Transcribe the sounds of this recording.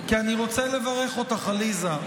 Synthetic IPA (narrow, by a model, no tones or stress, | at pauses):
kianiʁo̞t͡selevaʁeχot̪aχaliza